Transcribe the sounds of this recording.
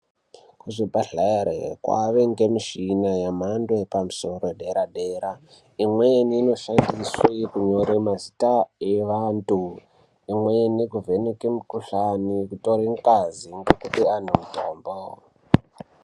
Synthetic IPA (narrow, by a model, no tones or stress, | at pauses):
kuʐibʱaɮaeɾḛkwa̰ʋeŋɡe̞miʃinajamandwepamuso̞roɗeɾaɗeɾa | imweniːno̞ʃandiswekuɲoɾemazitaeʋantu | imwenikuvenekemukuɬanikutoɾeŋkaziŋɡekupian̤umutoːmbo